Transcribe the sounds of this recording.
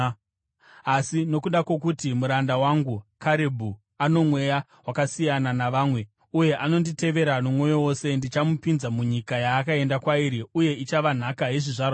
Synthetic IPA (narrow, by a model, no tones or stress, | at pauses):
asino̞kuɗakwo̞kutimuɾandawaŋɡukaɾebʱu | ano̞mwe̞ja | wakasijananaʋaːmwe̞ | uje̞ʔano̞ndite̞ʋe̞ɾanomwo̞jowo̞se̞ndit͡ʃamupinzamuɲikajaːkae̞ndakwaiɾiuje̞it͡ʃaʋan̤akaɦeʐiʐaːrwa